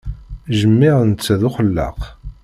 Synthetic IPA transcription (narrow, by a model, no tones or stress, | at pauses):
ʒəmːɪʁnt͡sːæðʊχəlːə̰q